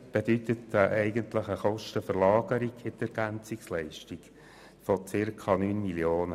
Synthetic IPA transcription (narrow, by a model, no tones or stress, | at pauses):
b̥ed̪ytət̪ʔɛɪɡəntləχəχɔʃtəfəɾlɑːɡ̥əɾiɡ̥ɪtɛɾɡ̥ænt͡sikslɛɪʃtiɡ̥ | fɔt͡sɪrkʰɑnyːnmiljoːnə